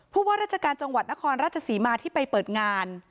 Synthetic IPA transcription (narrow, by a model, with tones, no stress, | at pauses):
pʰuː˥˩waː˥ɾaː˥˩t̪̚t͡ɕʰa˧kaː˧nt͡ɕa˧ŋwa˨˩t̪̚na˦˥kʰɔː˧nɾaː˥˩t̪̚t͡ɕʰa˧siː˩˦maː˧t̪ʰiː˥˩pa˧jpɤː˨˩t̪̚ŋaː˧n